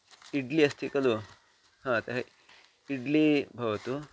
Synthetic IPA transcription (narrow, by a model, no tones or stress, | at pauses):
iɖliɐst̪ʰikɐlu | ɦãːt̪ɐɦ | iɖlibʱɐʋɐt̪u